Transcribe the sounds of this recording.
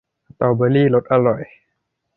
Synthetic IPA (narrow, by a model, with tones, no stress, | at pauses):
a˨t̪ɔ˨˩wbə˧˦liː˥˨lo˧˦t̪̚ʔa˧˨lɔ˨˩j